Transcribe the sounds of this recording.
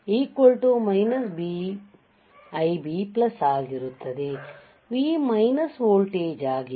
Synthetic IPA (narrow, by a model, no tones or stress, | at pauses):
iːkʋolʈumɐjnɐsbi | ɐjbiːplɐsaːɡiɾut̪ːɐd̪e | ʋiːmɐjnɐsʋoːlʈeːd͡ʒaːɡi